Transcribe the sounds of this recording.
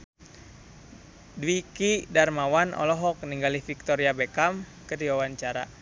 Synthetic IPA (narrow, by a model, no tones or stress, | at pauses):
dwikidarmawanɔ̰lɔɦɔk̚niŋɡalifik̚t̪ɔɾiabekam | kərdiwawaɲt͡ʃaɾa̰